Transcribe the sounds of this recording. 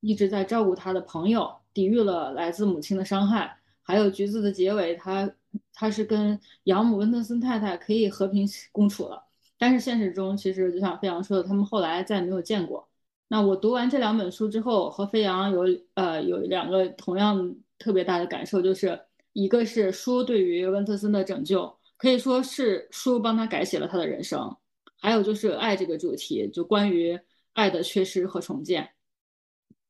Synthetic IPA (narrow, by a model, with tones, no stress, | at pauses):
i˥˩ʈ͡ʂɻ̩˧˥t͡sa˥˧ɪʈ͡ʂɑ˥˧ʊku˥˩t̪ʰa˥d̪ə˨pʰɤ˧˥ŋjo˨˧ʊt̪i˨˩y˥˩lə˩la˧˥ɪt͡sɹ̩˥˩mu˨˩t͡ɕʰi˥nd̪ə˨ʂɑ˥ŋxa˥˩ɪ | xa˧˥ɪjo˨˩ʊt͡ɕy˧˥t͡sɹ̩˥˩d̪ə˩t͡ɕjɛ˧˥we˧˩ɪt̪ʰa˥ | t̪ʰa˥ʂɻ̩˥˩kə˥n | jɑ˧˥ŋmu˨˩wə˥nd̪ə˥sə˥nt̪ʰa˥˧ɪt̪ʰa˥˩ɪkʰɤ˧˥i˨˩xɤ˧˥pʰi˧˥ŋkʊ˥ŋʈ͡ʂʰṵ˨˩lə̰˦ | t̪a˥˧nʂɻ̩˥˧ɕjɛ˥˩nʂ̬ɻ̩˧˥˩ʈ͡ʂʊ˥ŋt͡ɕʰi˧˥ʂɻ̩˧˥t͡ɕjo˥˧ʊɕjɑ˥˩ŋfe˥ɪjɑ˧˥ŋʂwɔ˥d̪ə˨t̪ʰa˥mə˨nxo˥˩ʊla˧˥ɪt͡sa˥˩ɪme˧˥ɪjʊt͡ɕjɛ˥˧nkwɔ̰˥˩ | na˥˩wɔ˨˩t̪u˧˥wa˧˥nʈ͡ʂɤ˥˩ljɑ˧˥ŋpə˨˩nʂu˥ʈ͡ʂɻ̩˥xo˥˩ʊxɤ˧˥fe˥ɪjɑ˧˥ŋjo˧˥ʊə˧jo̰˨˩ʊ˥ljɑ̰˨˩ŋɡə˧˦t̪ʰʊ˧˥ŋjɑ˥˧ŋt̪ʰɤ˥˩pjɛ˧˥t̪a˥˩d̪ə˩ka̰˨˩nʂo˥˧ʊt͡ɕjo˥˧ʊʂɻ̩˥˩ | i˧˥ɡə˧ʂɻ̩˥˩ʂu˥t̪we˥˩ɪy˧˥wə˥nt͡s̪ʰɤ˥˧sə˥nd̪ə˨ʈ͡ʂɤ˨˩ŋt͡ɕjo˥˩ʊ | kʰɤ˧˥i˨˩ʂwɔ˥ʂɻ̩˥˩ʂu˥p̬ɑ˥ŋt̪ʰa˥ka˧˥ɪɕjɛ˨˩lə̰˦t̪ʰa˥d̪ə̰˨˧ɻə̰˧˥nʂɤ̰˥ŋ | xa˧˥ɪo˨˩ʊt͡ɕjo˥˧ʊʂɻ̩˥˧ʔa˥˧ɪʈ͡ʂɤ˥˩ɡə˩ʈ͡ʂu˨˩t̪ʰḭ˧˥t͡ɕjo˥˩ʊkwa˥ny˧˥ | a˥˩ɪd̪ə˩t͡ɕʰɥɛ˥˧ʂɻ̩˥xɤ˧˥ʈ͡ʂʰʊ˧˥ŋt͡ɕjɛ̰˥˩n